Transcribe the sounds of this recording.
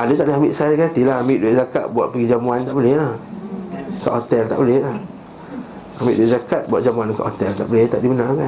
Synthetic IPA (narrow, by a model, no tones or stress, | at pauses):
adət̪aʔdəɦambɪʔsajakat̪ilahamɪʔduaʔzakaʔ̪̚buaʔ̪̚pəɡid͡ʒamuant̪aʔbəlɪhlah | ka̰ʔhot̪ɛlt̪a̰ʔbəlɪhlah | amiʔduweʔ̚zakat̪̚buwaʔ̚d͡ʒamuanka̰ʔhot̪ɛlt̪a̰ʔbəlɛht̪aʔdibənakan